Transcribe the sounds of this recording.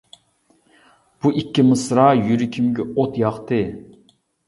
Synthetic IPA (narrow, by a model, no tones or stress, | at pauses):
b̥uʔikʲːimɨsɾɑːjyɾikʲʰimɡʲɛot̪jɑχt̪ɨ